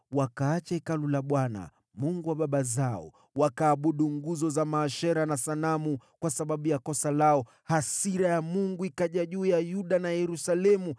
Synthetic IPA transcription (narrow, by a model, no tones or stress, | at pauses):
wakaːt͡ʃaikalulaɓwana̰ | muŋɡuwaɓaɓazaɔ̰ | wakaːɓuɗuŋɡuzɔzamaːʃɛɾanasanamukwasaɓaɓujakɔsalaɔ | hasiɾajamuŋɡuikaʄaʄuːjajuɗanajɛɾusalɛmu